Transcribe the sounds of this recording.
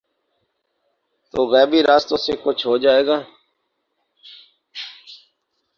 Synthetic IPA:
t̪oːɣɛːbiːɾaːst̪õːseːkʊt͡ʃʰɦoːd͡ʒaːeːɡaː

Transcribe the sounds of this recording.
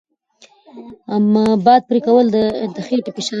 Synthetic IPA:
amabɑd̪̚pɾikawəld̪əd̪əxeʈɪpeʃɑ

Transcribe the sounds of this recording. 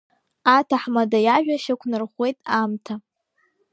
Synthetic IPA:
atʰaħmadajaʒᶣʷaʃakʷʰnɨrχʷe̞jtʼamtʰa

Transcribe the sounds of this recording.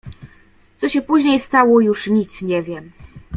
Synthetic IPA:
t̪sɔɕɛpuʑɲejst̪awɔjuʂɲit̪sɲɛvʲjɛm

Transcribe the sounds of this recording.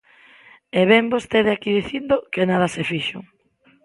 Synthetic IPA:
eβɛmbost̪eðeakiðiθind̪okenaðɐsefiʃʊ̰ŋ

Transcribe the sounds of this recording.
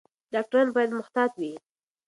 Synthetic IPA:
ɖ̥ɑk̚ʈaɾɑnbɑjad̪mʊxt̪ɑt̪wi

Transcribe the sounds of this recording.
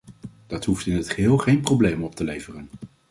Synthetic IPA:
d̥ɑtɦuftɪnɦətχəɦɪːlˠχejnprowblejmɔp̚təlejvərən

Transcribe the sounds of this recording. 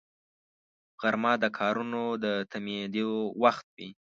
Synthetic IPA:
ɣaɾmɑd̪əkʰɑɾunod̪ət̪amjed̪iowaxt̪̚wi

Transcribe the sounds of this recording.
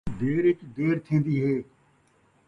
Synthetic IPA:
d̪eːɾɪt͡ʃd̪eːɾt̪ʰẽːnd̪iːɦeː

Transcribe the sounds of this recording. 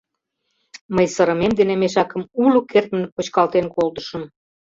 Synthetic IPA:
məjsəɾə̆memd̪enemeʃɑkə̆mulokʰert̪mənpot͡ɕkɑlt̪enkold̪əʃə̆m

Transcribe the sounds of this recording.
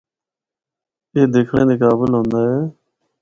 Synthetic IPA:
eːd̪eːkʰɽḛ̃ːd̪eːkaːbəlɦõːnd̪aːɦeː

